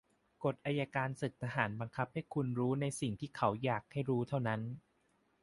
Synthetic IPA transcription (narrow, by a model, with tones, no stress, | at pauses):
ko˨˩t̪̚ʔaː˧jaː˧kaː˧nsɯ˨˩k̚t̪ʰa˧ɦaː˩˦nba˧ŋkʰa˦˥p̚ha˥˩jkʰu˧nɾuː˦˥na˧jsi˨˩ŋt̪ʰiː˥˩kʰa˩˦wjaː˨˩k̚ha˥˩jɾuː˦˥t̪ʰa˥˩wna˦˥n